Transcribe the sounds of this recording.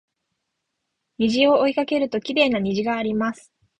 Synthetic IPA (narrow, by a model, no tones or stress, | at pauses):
ɲiʑio̞oikake̞ɾɯ̟t̪o̞kʲiɾe̞ːnaɲ̟iʑiɡaːɾʲimasɨ̥